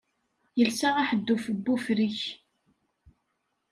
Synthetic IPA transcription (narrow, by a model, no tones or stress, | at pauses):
jəlsaaħəd̪ːufəbːufɾiç